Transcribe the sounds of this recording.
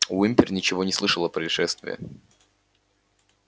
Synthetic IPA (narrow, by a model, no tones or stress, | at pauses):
vimʲpʲɪrnʲɪt͡ɕɪvo̞nʲɪslˠɨʂəlˠəpɾəɪʂɛst̪vʲɪ̰jə̰